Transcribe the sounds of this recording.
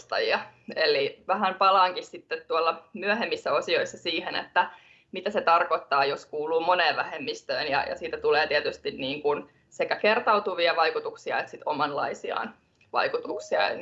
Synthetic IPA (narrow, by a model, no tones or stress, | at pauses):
st̪ɑ̰jiɑeliʋæhæmpɑlɑːŋkissit̪ːet̪t̪uɑlːɑmyæɦemːisːæosio̞isːɑsiːhenḛt̪ːæ | mit̪æset̪ɑrkot̪ːɑːjoskuːluːmoneːʋʋæhemːist̪øːnjɑ̰jɑ̰siːt̪æt̪uleːt̪iɛt̪yst̪inniːŋkun | sekækert̪ɑut̪uʋiɑʋɑikut̪uksiɑ̰et̪sit̪omɑnlɑ̰isiɑ̰ːn | ʋɑ̰ikut̪uksiɑ̰